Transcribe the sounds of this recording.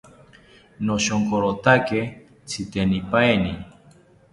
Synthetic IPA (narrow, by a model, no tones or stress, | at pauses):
noʃoŋkoɾot̪ake | t͡sʰit̪enipajni